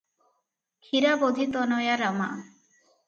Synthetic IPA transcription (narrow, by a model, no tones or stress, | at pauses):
kʰiɾabod̪ʱit̪ɔnɔjaɾama̰ʔ